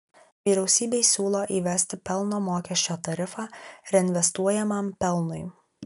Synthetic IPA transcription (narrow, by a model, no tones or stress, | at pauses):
ʋʲiːɾʲɛʊsʲiːbʲeɪsʲuːlˠoːʔiːʋʲɛsʲt̪ʲɪpʲɛlˠnoːmoːkʲɛʃʲt͡ʃʲoːt̪ɐɾʲɪfɑːɾʲɛɪnʲʋʲɛst̪uɔjɛmɐmpʲɛlˠnʊɪ